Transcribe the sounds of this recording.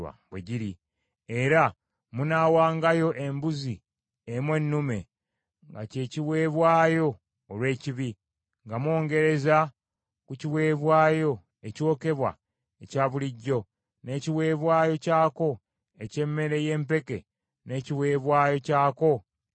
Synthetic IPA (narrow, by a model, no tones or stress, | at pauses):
a̰βwḛɟiɾi | eɾa | munaːwaːŋɡajo̞ʔe̞mbuzi | emwe̞nːume̞ | ŋɡa̰ce̞ːciwe̞ːβwaːjo̞ː | lwe̞ːciβi | ŋɡamo̞ːŋɡe̞ɾe̞za | kuciwe̞ːβwaːjo̞ | eco̞ːke̞βwa̰ | ecaːβuliɟːo̞ | ne̞ːciwe̞ːβwaːjo̞caːko̞ | ece̞mːe̞ɾe̞je̞ːmp̬e̞ke̞̰ | ne̞ːciwe̞ːβwaːjo̞caːko̞